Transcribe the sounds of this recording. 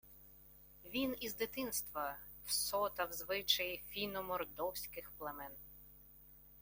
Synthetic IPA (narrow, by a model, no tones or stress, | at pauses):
ʋʲinizd̪ɪt̪ɪnst̪ʋɐ | wsɔt̪ɐwzʋɪt͡ʃɐjifʲinɔmɔrd̪ɔwsʲkɪxplˠɐmɛn